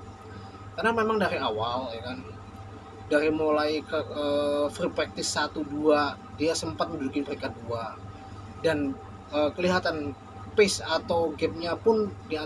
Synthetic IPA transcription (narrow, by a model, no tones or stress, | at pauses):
karnamemaŋdaɾiawaljakan | daɾimolajkəəfripɾɛk̚t̪ɪsːat̪udua | diasəmpat̪̚məndudukɪnpəɾikadua | dan | əːkəliɦat̪an | pɪsat̪awɡɛp̚ɲapʊndia